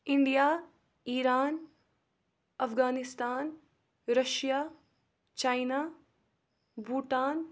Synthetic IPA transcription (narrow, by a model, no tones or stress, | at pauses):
ɪɳɖijaː | iːɾaːn | ɐfɡaːnɪst̪aːn | ɾɐʃjaː | t͡ʃaːjnaː | buːʈaːn